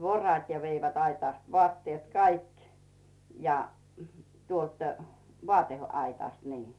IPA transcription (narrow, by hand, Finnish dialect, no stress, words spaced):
ʋorɑt jɑ ʋeiʋæt ɑitɑˑst ʋŏɑˑtːiet kɑik jɑ tuolt ʋoˑɑteɑitɑˑst niː